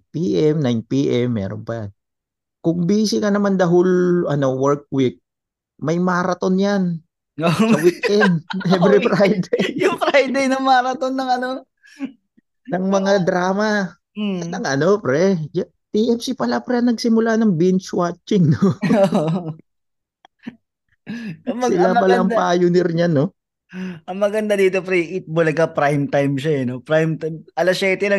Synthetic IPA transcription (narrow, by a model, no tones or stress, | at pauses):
piːʔɛmnajnpiːʔɛmːɛ̰ɾonpɐja̰n | kʊŋbiːsɪkɐnɐmand̪ɐɦʊlʔɐno̞wɛɹk̚wɪk̚ | mɐjmaːɾɐt̪o̞njan | sɐwikʔɛnd̪hɛvɾifɾajd̪ɛjjʊŋfɾajd̪ejnɐŋmaːɾɐt̪onːɐŋɐno | nɐŋmɐŋad̪ɾaːmɐ | nɐŋʔɐno̞pɾɛd͡ʒɐ | t̪iʔɛfsipɐlapɾɛnɐɡsɪmʊlanɐŋbɪnt͡ʃwat͡ʃːɪŋnoo | mɐsɪlapɐlaʔɐŋpajʊnɛɾɲano̞ | ʔɐŋmɐɡɐnd̪ad̪iːt̪opɾɛʔɪt̪̚bʊlɐɡkɐpɾajmt̪ajmʃaɛnopɾajmt̪amʔɐlɐsjɛt̪ɛnɐ